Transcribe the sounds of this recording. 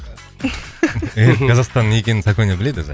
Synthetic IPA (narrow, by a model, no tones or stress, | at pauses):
ekʰɑzɑqst̪ɑnekʲe̞nɪnzakonjabɪle̞d̪ɪza̰